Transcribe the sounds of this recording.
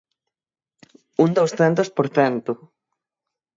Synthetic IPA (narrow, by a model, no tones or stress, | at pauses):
uŋnd̪owsθɛnt̪ʊspoɾθɛnt̪ʊ